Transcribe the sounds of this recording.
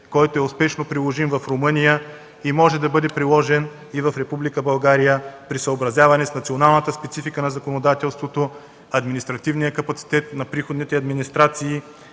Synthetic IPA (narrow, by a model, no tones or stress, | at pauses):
kɔjt̪oɛʊspɛʃnopɾilˠoʒimvɐfɾomɤnijə | imɔʒɛd̪ɐbɤd̪ɛpɾilˠɔʒɛn | ivɐfɾɛpublikəbɐlˠɡaɾijəpɾisəobɾɐzjavɐnɛsnɐt̪sionalˠnət̪əspɛt̪sifikənɐzɐkonod̪at̪ɛlˠst̪vot̪o | ɐd̪minist̪ɾɐt̪ivnijəkɐpɐt̪si̥t̪ɛt̪nɐpɾixod̪nit̪ɛɐd̪minist̪ɾat̪siː